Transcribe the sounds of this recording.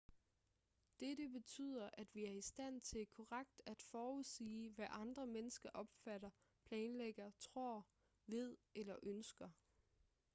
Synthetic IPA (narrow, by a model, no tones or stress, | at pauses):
d̥edəb̥e̝t͡sʰy̰ːð̞̰ˠɐʔæd̥ʋiæɐisd̥æn̰t͡sʰe̝lkʰɒʁaɡ̥̚d̥æd̥fɒːuðˠsḭːʋæʔɑ̈nd̥ʁɐmenəsɡ̥ɐʔɒ̽b̥fæɾ̥ɐ | pʰlɛːnleɡ̥ɐt͡sʰʁo̝ɐ̰ | ʋe̝ð̞̰ˠelɐʔønsɡ̥ɐ